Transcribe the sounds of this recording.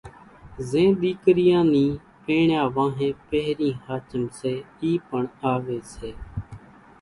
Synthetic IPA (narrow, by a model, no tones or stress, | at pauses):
zẽːɗ̪iːkɾɪjãːnĩː | peːɳjaːʋãːɦẽːpəɦɾĩːhaːt͡ʃəmseːiːpəɳaːʋeːseː